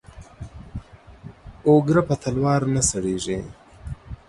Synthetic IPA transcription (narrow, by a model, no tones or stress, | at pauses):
oɡɾapat̪ʰalwɑːɾnasaɽeʐe